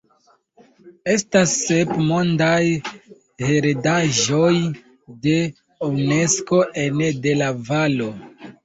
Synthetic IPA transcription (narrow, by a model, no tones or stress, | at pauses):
e̞stasːe̞pmo̞ndaj | heɾedaʒo̞j | de̞ | owne̞sko̞ʔende̞lavalo̞